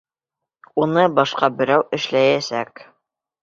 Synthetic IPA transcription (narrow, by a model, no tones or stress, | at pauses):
unɤbɑʃqɑbɘ̆ɾæwɘ̆ʃlæjæsæk